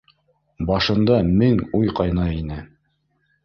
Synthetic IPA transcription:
bɑʃɤ̆nd̪ɑmɘŋujqɑjnɑinɘ

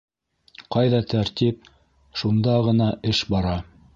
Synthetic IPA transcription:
qɑjðɑt̪ʰæɾt̪ip̚ | ʃund̪ɑʁɤ̆nɑʔɘʃbɑɾɑ

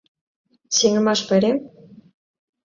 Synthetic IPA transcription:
seŋɘ̆mɑʃpɘ̆ɾʲe

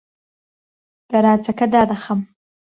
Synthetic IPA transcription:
d̪̥aɾɑːt͡sakad̪ɑːd̪axam

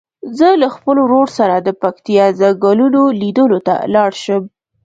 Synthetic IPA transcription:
zəlaxpəloɾoɽsaɾad̪əpakt̪ijɑzaɡɑlunolid̪əlot̪a̰lɑɽʃəm

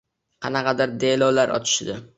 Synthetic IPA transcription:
qʰɑnɑqɑd̪aɾd̪elɒwlaɾʔɒ̰t͡ʃ̪ʰɪ̥ʃd̪ɪ

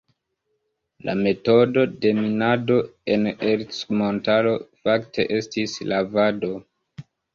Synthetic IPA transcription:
la̰me̞to̞do̞de̞minado̞e̞neɾt͡smo̞ntalo̞faktʰe̞ʔe̞stislavado̞

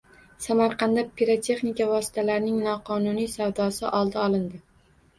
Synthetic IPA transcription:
samaɾqʰɑnd̪apʰiɾat̪ʰe̞χnɪkʲavɒsɪ̥t̪ʰalaɾɪnɪŋnɒqʰɒnʊnijsavd̪ɒsɪʔɒlˠd̪aɒlˠɪnd̪ɪ

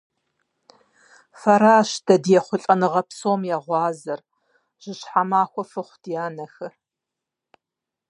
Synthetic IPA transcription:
fɐɾaːʃd̥ɐdjɛχʷʊɬʼɐnɨʁɐpsoːmjaʁʷɑːzɐr | ʒ̥ɪɕħamaːxʷɔfɨχʷd̥jaːnɐxɨ

